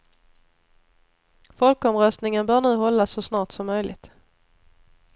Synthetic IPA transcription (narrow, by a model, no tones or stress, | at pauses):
fɔlkɔmɾœst̪nɪŋənbœːɳʉ̟ːɦɔlːasːɔsnɑːʈsɔmːœjlɪ̰t̪